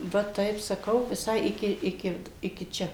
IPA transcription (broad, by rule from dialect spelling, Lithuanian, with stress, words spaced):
ˈʋɐ ˈtɐɪp sɐˈkɐʊ ʋʲɪˈsɐɪ ˈɪkʲɪ ˈɪkʲɪ ˈɪkʲɪ ˈt͡ʃʲɛ